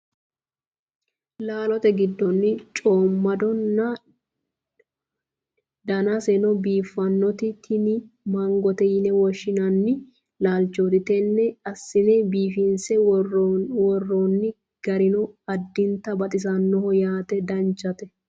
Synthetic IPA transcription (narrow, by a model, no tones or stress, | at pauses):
laːlɔt̪ɛɡɪd̪ːɔnːɪt͡ʃʼoːmːɐd̪ɔnːɐ | d̪ɐnɐsɛnɔbiːfːɐnːɔt̪ɪt̪ʰɪnɪmɐŋɡɔt̪ɛjɪnɛwɔʃːɪnɐnːɪ | laːlt͡ʃod̪ɪt̪ɛnːɛɐsːɪnɛbiːfɪnsɛ | wɔrːɔnːɪ | ɡ̥ɐɾɪnɔɐd̪ːɪnt̪ɐbɐt̪ʼɪs̬ɐnːɔhɔjaːt̪ɛd̪ɐnt͡ʃːɐt̪ɛ